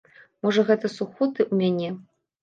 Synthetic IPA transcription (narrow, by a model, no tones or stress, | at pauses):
mɔʐɐɣɛt̪ɐsuxɔt̪ɨʔumʲanʲɛ